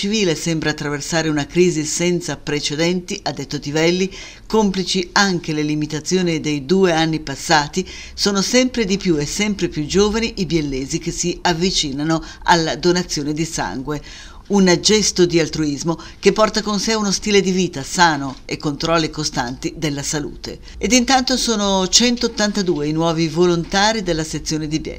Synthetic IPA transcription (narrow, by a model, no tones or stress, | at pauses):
t͡ʃiviːlesɛmbɾaːt̪ːɾaversaːɾeunakɾiːzisɛnt̪sapɾet͡ʃed̪ɛnt̪iʔad̪ːet̪ːot̪ivɛlːi | komplit͡ʃiaŋk̟elelimit̪at̪sːjoːnid̪ejd̪uːeanːipasːaːt̪i | soːnosɛmpɾed̪ipjuesɛmpɾepjud͡ʒoːvaniʔibjelːeːzik̟esiavːit͡ʃiːnano | a̰lːad̪onat̪sːjoːned̪isa̰ŋɡwe | und͡ʒɛst̪od̪ialt̪ɾuizmo | kepːɔrt̪akonseunost̪iːled̪iviːt̪asaːnoekːont̪ɾɔlːikost̪ant̪id̪elːasalṵːt̪ḛ | ed̪int̪ant̪osoːnot͡ʃɛnt̪oːt̪ːant̪ad̪uːeinwɔːvivolont̪aːɾid̪elːaset̪sːjoːned̪ibjɛ̰lː